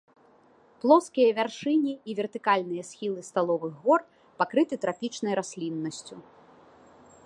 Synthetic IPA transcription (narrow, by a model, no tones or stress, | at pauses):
plˠɔskʲijɐvʲarʂɨnʲiːvʲɛrt̪ɨkalʲnɨjɐsʲxʲilˠɨst̪alˠɔvɨɣɣɔr | pakɾɨt̪ɨt̪ɾapʲit͡ʂnɐjɾasʲlʲinːɐsʲt͡sʲu